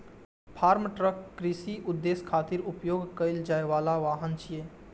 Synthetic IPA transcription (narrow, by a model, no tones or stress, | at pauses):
pʰaːɾmʈɾəkːɾisiʔʊd̪ːeːskʰaːt̪iɾʊpjoːɡkəɪld͡ʒaːeʋaːlaʋaːɦənt͡ʃʰijeː